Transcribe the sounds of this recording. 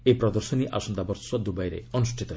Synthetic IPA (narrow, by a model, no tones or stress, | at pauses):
epɾɔd̪ɔɾsɔniʔa̰sɔnd̪abɔɾsɔd̪ubajɾḛɔnusʈʰit̪ɔɦ